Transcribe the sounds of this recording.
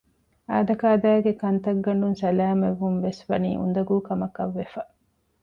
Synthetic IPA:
aːd̪ɐkaːd̪æːɡekɐnt̪ɐɡːɐɳɖunsɐlæːmeʋːunʋesʋɐnḭːʔṵnd̪ɐɡuːkɐmɐkɐʋːefɐ

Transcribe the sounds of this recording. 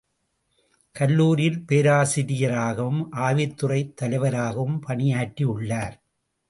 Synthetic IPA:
kɐlːuːɾɪjɪlpeːɾaːsɪɾɪjɐɾaːɣɐʋɯmʔaːʋɪt̪ːɯrɐɪt̪ːɐlɐɪʋɐɾaːɣɐʋɯmpɐɳɪjaːʈːiʊɭːaːɾ

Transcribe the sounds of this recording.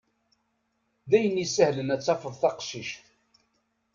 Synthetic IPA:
ðæjənisəhlənæt͡sːɑfəðˤθɑqʃiʃθ

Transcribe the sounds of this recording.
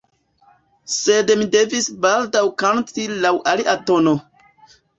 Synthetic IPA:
se̞dmide̞visbaldawkantilawʔaliʔato̞no̞

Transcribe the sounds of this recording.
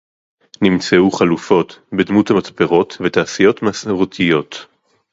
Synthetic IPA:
nimt͡seuχalufo̞tbedmuthamat͡speʁo̞tvetaːsijo̞tmasʁot̪ʰijo̞t

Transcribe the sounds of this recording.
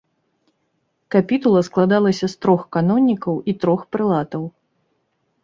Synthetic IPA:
kapʲit̪ulˠɐsklˠad̪alˠɐsʲɐst̪ɾɔxkanɔnʲːikɐwit̪ɾɔxpɾɨlˠat̪ɐw

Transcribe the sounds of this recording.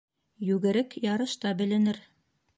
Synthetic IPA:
jʉɡɘ̆ɾɘkjɑɾɤ̆ʃt̪ɑbɘ̆lɘ̆nɘɾ

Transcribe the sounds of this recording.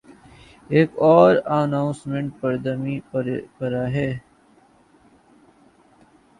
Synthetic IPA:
eːkɔːɾənaːʊ̃nsmẽɳʈ̚pəɾd̪əmiɾpəɾaɦɛː

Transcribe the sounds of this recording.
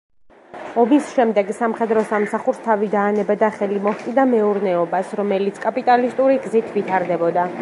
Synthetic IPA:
ɔbisʃɛmd̪ɛɡsamχɛd̪ɾɔsamsaχuɾst̪ʰavid̪aːnɛbad̪aχɛlimɔhkʼid̪amɛuɾnɛɔbasɾɔmɛlit̪sʰkʼapʼit̪ʼalist̪ʼuɾiɡzit̪ʰvit̪ʰaɾd̪ɛbɔd̪a

